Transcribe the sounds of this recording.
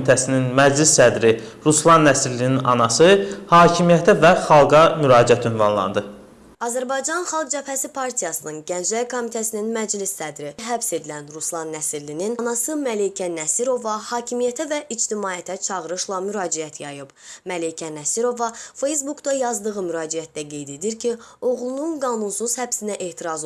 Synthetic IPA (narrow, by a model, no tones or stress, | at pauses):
it̪ʰæsininmæd͡ʒlisːæd̪ɾi | ɾuslˠɑnːæsiɾlininɑnɑsɯhɑːcʰimijæt̪ʰævæχɑlˠɡɑmyɾɑːd͡ʒiæt̪ynvɑ̰nlˠɑ̰nd̪ɯ | ɑzæɾbɑjd͡ʒɑnχɑlˠɡ̚d͡ʒæpæsipʰɑɾt̪ʰijɑsɯnɯnɟænd͡ʒælkʰo̞mit̪ʰæsininmæd͡ʒlisːæd̪ɾiɦæbse̞d̪ilænɾuslˠɑnːæsiɾlininnɑsɯmælejcʰænæsiɾo̞vɑhɑːcʰimijæt̪ʰævæʔid͡ʒt̪imɑːjæt̪ʰæt͡ʃʰɑʁɯɾɯʃlˠɑmyɾɑːd͡ʒiæt̪ʰjɑjɯb̥mælejcʰænæsiɾo̞vɑfejs̬bukd̪ɑjɑzd̪ɯɣɯmyɾɑːd͡ʒijæt̪̚d̪æɡe̞jd̪e̞d̪iɾcʰio̞ɣlˠununɡɑːnunsuz̥hæbsinæʔe̞ht̪ʰiɾɑz